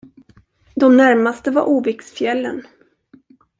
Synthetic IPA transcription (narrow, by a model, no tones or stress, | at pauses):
d̪ɔmnæɾmast̪əvaɾʔuːvɪksfjɛlːə̰n